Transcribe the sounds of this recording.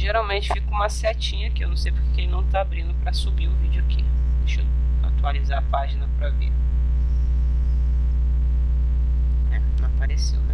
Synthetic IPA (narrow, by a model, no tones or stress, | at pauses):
ʒeɾawmẽnt͡ʃɪ̥fikũmɐsɛt͡ʃĩɲɐkɪewnɐ̃w̃sejpoɾkekelɪnɐ̃w̃t̪aabɾĩnd̪ʊpɾɐsubiɾʊvid͡ʒʊakieʃo | a̰t̪ualizaɾɐpaʒinɐpɾɐvḭɾ | ɛ | nɐ̃paɾesewn